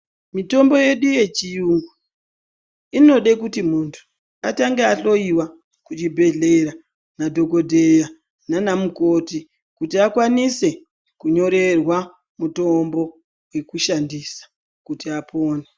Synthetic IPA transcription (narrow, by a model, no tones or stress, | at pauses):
mito̞mbo̞je̞ɗuje̞t͡ʃijuŋɡwu | ino̞ɗekutimuntʰu̥ | ataŋɡeaɬo̞iwa | kut͡ʃibʱe̞ɮe̞ɾa | nadʱo̞ko̞dʱe̞ja | nanamuko̞ːti | kutiakwanise̞ | kuɲo̞ɾe̞rwa | muto̞mbo̞ | we̞kuʃandisḁ | kutiapʰo̞ːne